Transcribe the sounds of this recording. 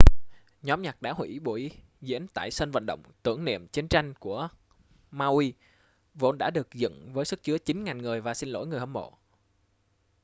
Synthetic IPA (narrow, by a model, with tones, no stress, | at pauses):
ɲɔ˨˦mɲa˨˩k̚ɗa̰ː˧˥hwḭ˧˩ɓo˧˩i˧˦ | zḭ˧˥ənt̪a̰ː˧˨jsə˧nvə̰˧˨nɗə̰˧˨wŋ͡mt̪ɨ̰˧˩əŋnḭ˧˨əmt͡ɕi˨˦ənt͡ɕa˧jŋ̟ku˧˩ə | maː˧wi˧ | vo̰˧˦nɗa̰ː˧˥ɗɨ˨˩ə˩k̚zɨ̰˧˨ŋvəː˨˦jsɨ˦˥k̚t͡ɕɨ˨˦ət͡ɕi˨˦ŋ̟ŋa˨˩nŋɨ˨˩əjvaː˨˩si˧nlo̰˧˥jŋɨ˨˩əjhə˧˩mo̰˧˨